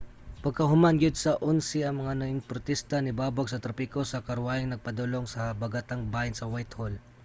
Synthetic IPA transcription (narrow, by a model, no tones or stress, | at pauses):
pɐɡ̚kɐɦʊmanɡɪd̪̚sɐʔʊnsɪɐŋmɐŋanɐɪnpʊɾt̪ist̪ɐnɪbaːbaɡ̚sɐt̪ɾɐpikosɐkɐɾwaːjɪŋnɐɡ̚pɐd̪ʊloŋsɐbɐɡat̪aŋbaːjɪnsɐwajt̪hol